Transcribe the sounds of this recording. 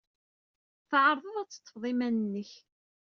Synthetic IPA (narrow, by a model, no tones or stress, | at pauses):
θʕəɾˤðˤəðˤæt͡sːə̥t̪ːəfðˤimænənːəç